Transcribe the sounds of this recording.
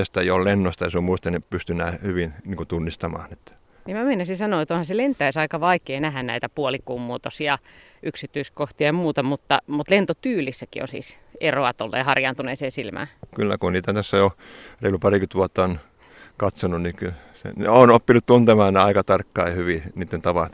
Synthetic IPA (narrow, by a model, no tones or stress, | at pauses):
est̪ɑijollenːost̪ɑjɑsommuist̪ɑnepyst̪ynːˑæhyʋinniːŋkot̪unːist̪ɑmɑ̰ːnet̪ːæ̥ | nimæmeinæsisɑnoːet̪onhɑselent̪ːˑæisɑikɑʋɑikeːnæhænnæ̰it̪æpuolikuːmmuot̪osiɑ | ʔyksit̪ːyiskoht̪iɑjɑmuːt̪ɑmut̪ːɑmut̪lent̪ot̪yːlisːækḭo̰nsḭːs | eroɑt̪olːḛːhɑrjɑnt̪uneːseːsilmæ̰kylːæ̰kunniːt̪æt̪æsːæjoreilupɑrikyt̪ʋuɑt̪ːɑon | kɑt̪sonunikyl | sḛnḛonopːinutt̪unt̪emɑːnneɑikɑt̪ɑrkːɑihyʋiniːt̪ːent̪ɑʋɑt̪